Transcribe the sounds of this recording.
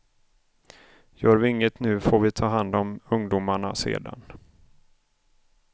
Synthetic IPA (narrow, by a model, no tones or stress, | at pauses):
jœːɾvɪɪŋːət̪nʉ̟ːfoːɾvɪt̪ʰɑːɦand̪ɔmɵŋd̪umaɳa̰sḛːd̪a̰n